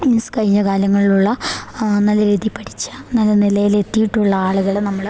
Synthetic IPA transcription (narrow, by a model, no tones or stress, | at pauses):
minsɨ̥kɐɻiɲːɐkaːljɐŋːɐɭiluɭːɐnɐlːɐɾiːd̪ipːɐʈʰi̥t͡ɕːɨ̥nɐlːɐnilɐjile̞t̪ːijiʈːuɭːɐaːɭuɣɐɭenɐmːɐɭ